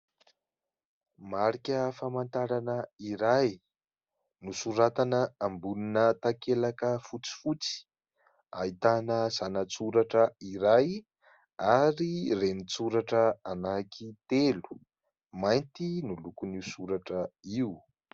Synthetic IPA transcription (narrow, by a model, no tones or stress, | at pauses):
maɾikʲəfamant̪aɾanəiɾaj | nusuɾat̪anəambuninət̪akelakəfut͡si̥fut͡si̥ | ait̪anəz̥anət͡suɾaʈ͡ʂəiɾaj | aɾirenit͡suɾaʈ͡ʂəanakʰit̪elu̥ | majnt̪inulukunisuɾaʈ͡ʂəiu